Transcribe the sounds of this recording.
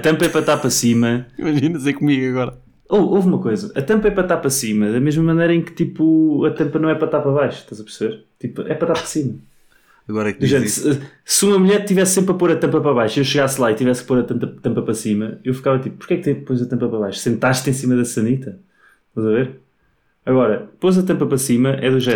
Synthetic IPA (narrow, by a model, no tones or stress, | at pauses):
ɐt̪ɐ̃mpɐɛpɾɐt̪aɾpɾɐsimɐḭmɐʒinɐsejkumiɣɐɣɔɾɐ | ovovumɐkojzɐʔɐt̪ɐ̃mpɐɛpɾɐt̪aɾpɾɐsimɐðɐmeʒmɐmɐnejɾɐẽkt̪ipuɐt̪ɐ̃mpɐnɐ̃w̃ɛpɾɐt̪aɾpɾɐβajʃu̥ʃt̪azɐpɨɾsɨβeɾt̪ipɛpɾɐt̪aɾpɾɐsimɐ | ɐɣɔɾɐkd̪uʒẽssumɐmuʎɛɾt̪ivɛsːẽmpɾɐpoɾɐt̪ɐ̃mpɐpɾɐβajʃuiewʃɨɣaslˠait̪ivɛsk̚poɾɐt̪ɐ̃mt̪ɐt̪ɐ̃mpɐpɾɐsimɐewfi̥kavɐt̪ipu̥puɾkɛk̚t̪ẽpojzɐt̪ɐ̃mpɐpɾɐβajʃu̥sẽnt̪aʃt̪ẽsimɐðɐsɐnit̪ɐ | ʃt̪ɐzɐveɾ | ɐɣɔɾɐpozɐt̪ɐ̃mpɐpɾɐsimɐʔɛðuʒɛ